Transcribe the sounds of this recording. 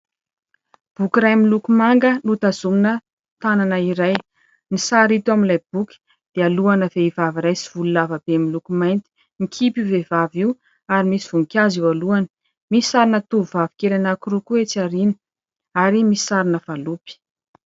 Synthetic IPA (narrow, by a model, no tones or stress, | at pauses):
b̥ukiɾajmilukumaŋɡənut̪azuminə | t̪ananaiɾaj | nisaɾit̪uaminlajb̥ukʲi̥ | d̪̥ealuanəveivaviɾajsiv̥ululavab̥emilukumajnt̪i̥ | nikʲʰipivevaviw | aɾimisivuŋkʲaziwaluanə̥ | misi̥saɾinət̪uvuvavikelanakurukuet͡saɾini̥ | aɾimii̥saɾinəv̥alupi̥